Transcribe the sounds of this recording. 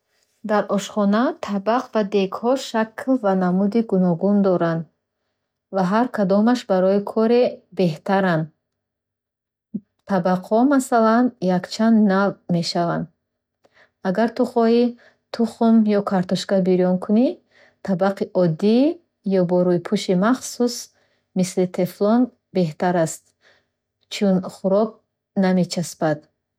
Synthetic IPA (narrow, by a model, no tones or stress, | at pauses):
d̪aɾʔɔʃχɔnat̪ʰabaqvad̪eɡhɔʃakʰlvanamud̪iɡunɔɡund̪ɔɾand̪ | vaɦaɾkʰad̪ɔmaʃbaɾɔikʰɔɾebe̞ht̪ʰaɾand̪ | t̪ʰabaqhɔmasalanjakt͡ʃʰand̪nalme̞ʃavand̪ | aɡaɾt̪uχɔi | t̪ʰuχumjɔkʰaɾt̪ɔʃɡabiɾjɔnkʰuni | t̪ʰabaqʰiʔɔd̪ːi | jɔbɔɾuipʰuʃimaχsus | mislit̪ʰeflɔn | be̞ht̪aɾast̪̚ | t͡ʃʰunχuɾɔk̚ | name̞t͡ʃʰasbad̪̥